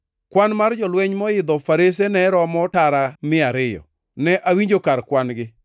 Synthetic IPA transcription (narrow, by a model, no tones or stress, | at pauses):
kwanmard͡ʒɔlwɛɲmɔɪd̪ɔfaɾes̬enɛɾɔmɔtaɾamɪaɾɪjɔ̰ | nɛʔawiɲd͡ʒokaɾkwanɡɪ